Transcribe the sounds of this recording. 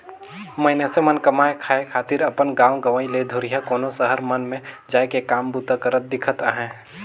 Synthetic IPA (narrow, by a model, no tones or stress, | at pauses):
məɦnesemənkəmaːekʰaːekʰaːt̪ɪɾɐpənɡãːwɡəʋaːiled̪ʱʊɾijakoːnosəɦəɾmənmẽd͡ʒaːekekaːmbut̪əkəɾət̪̚d̪ɪkʰət̪aɦɛ̃ː